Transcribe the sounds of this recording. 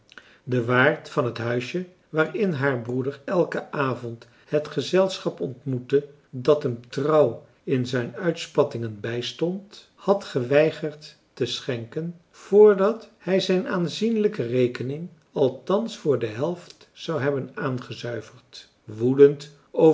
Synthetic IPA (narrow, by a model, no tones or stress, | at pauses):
dəʋaːɹtfɑnɦətɦœɥʃjə | ʋaːɹɪnɦaːɹbrudəɹɛlˠkəʔaːvɔnt | hətχəzɛlˠsχɑpɔntmutə | dɑtəmtrɑw | ɪnzɛjnœɥtspɑtɪŋənbɛjstɔnt | hɑtχəʋɛjχəɹtː | əsχɛŋkən | v̥ʊːɹdɑthɛjzɛjnaːnzinləkərejkənɪŋ | ɑlˠtɑnsfʊːɹdəɦɛlˠft | sɑwɦɛbənaːnχəzœɥvəɹt | ʋudənt | o